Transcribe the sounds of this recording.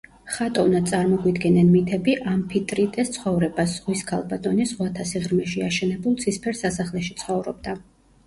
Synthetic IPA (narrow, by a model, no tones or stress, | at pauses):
χat̪ʼɔvnad̪t̪sʼaɾmɔɡwid̪ɡɛnɛnmit̪ʰɛbiʔampʰit̪ʼɾit̪ʼɛst̪sʰχɔvɾɛbasz̥ʁwiskʰalˠbat̪ʼɔnizʁwat̪ʰasiʁɾmɛʃiaʃɛnɛbulˠd̪sʰispʰɛɾsasaχlɛʃit̪sʰχɔvɾɔb̚d̪a